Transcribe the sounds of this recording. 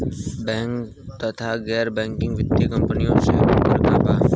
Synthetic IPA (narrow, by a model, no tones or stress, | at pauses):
bɛ̃ːŋk | t̪ɐt̪ʰaɡɛːɾbɛ̃ːŋkɪ̃ŋɡʋɪt̪jəkə̃mpənijõseɦkəɾt̪aːpaː